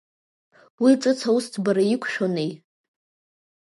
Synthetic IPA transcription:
wit͡sʼɨt͡sʰawustʰbaɾajikʷʰʃᶣonej

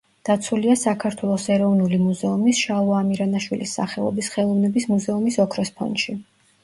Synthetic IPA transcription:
d̪̥at̪sʰuliasakʰaɾt̪ʰwɛlˠɔsɛɾɔvnulimuzɛumisʃauamiɾanaʃwilisːa̰χɛɔ̰bisχɛlˠɔvnɛbismuzɛumisɔkʰɾɔspʰɔ̰nʃi

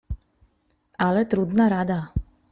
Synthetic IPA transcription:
alɛt̪ɾud̪naɾad̪a

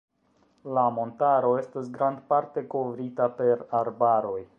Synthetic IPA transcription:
lamo̞ntaɾo̞e̞stosɡɾand̪paɾte̞ko̞vɾitape̞ɾaɾbaɾo̞j

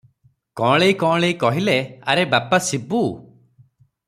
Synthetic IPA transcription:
kɔ̃ɭejkɔ̃ɭejkɔɦilea̰ɾebapasibu

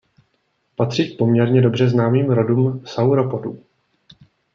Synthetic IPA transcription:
pat̪r̝̥iːk̚po̞mɲɛɾɲɛdo̞br̝ɛznaːmiːmɾo̞duːmsawɾo̞podṵ

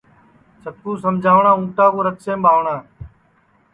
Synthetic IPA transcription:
sət̪̚kuːs̬əmd͡ʒʱaːʋɳãːũːʈaːkoːɾət̪sẽːɓaːʋɳãː

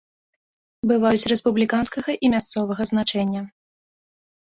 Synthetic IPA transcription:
bɨvajut͡sʲɾɛspublʲikanskɐɣɐʔimʲast̪sɔvɐɣɐznat͡ʂɛnʲːɐ

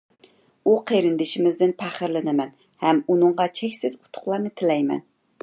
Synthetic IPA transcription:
uqʰeɾɪnd̪ɪʃɪmɪzd̪ɪnpʰæχəɾlɨnɨmɛn | hɛmunɨɴʁɑt͡ʃʰɛkʲsɪz̥ʊ̥t̪ʰʊ̥χlˠɑɾnɨt̪ʰɪlɛjmɛ̰n

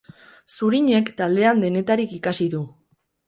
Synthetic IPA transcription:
suɾiɲe̞kt̪ald̪e̞and̪e̞ne̞t̪aɾikikasiðu

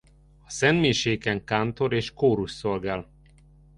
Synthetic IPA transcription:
ɒsɛnmeːʃeːkɛŋkaːnt̪o̞ɾeːʃkoːɾuʃsolɡaːl

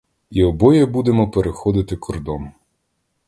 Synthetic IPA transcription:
iɔbɔjɛbud̪emɔpeɾexɔd̪ɪt̪ɪkʰɔrd̪ɔn

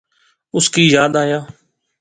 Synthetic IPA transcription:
ʊskiːjaːd̪aːjaː

